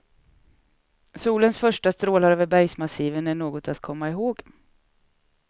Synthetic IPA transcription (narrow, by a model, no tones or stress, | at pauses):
suːlənsfœʂʈast̪ɾoːlaɾøːvəɾbæjsmasiːvənæɳoːɡɔt̪at̪kʰɔmːaɪɦoːɡ